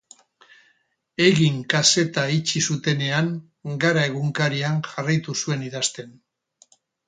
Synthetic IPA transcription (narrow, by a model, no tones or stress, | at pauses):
e̞ɣiŋkase̞t̪ait͡ʃisut̪e̞ne̞aŋ | ɡaɾae̞ɣ̞uŋkaɾiaŋʝarajt̪usue̞niðast̪e̞n